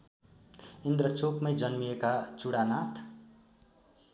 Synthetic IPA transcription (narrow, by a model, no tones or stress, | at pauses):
ind̪rʌt͡sokmʌjd͡zʌnmiekat͡suɽanat̪ʰ